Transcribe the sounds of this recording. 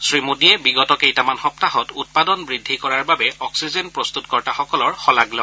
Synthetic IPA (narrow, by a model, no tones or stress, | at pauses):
sɹimudiɛbiɡɔtɔkejtamanxɔptaɦɔtut̚padɔnbɹidʱːikɔɹaɹbabɛɔksizenpɹɔst̪utkɔɹtaxɔkɔlɔɹxɔlaɡlɔ